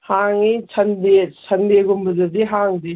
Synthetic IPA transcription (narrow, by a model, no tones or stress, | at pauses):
haŋisʰɐndesʰɐndeɡumbɐzɐdiɦaŋdi